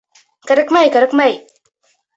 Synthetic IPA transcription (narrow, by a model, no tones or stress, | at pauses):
kaɾəkmajkaɾəkmaj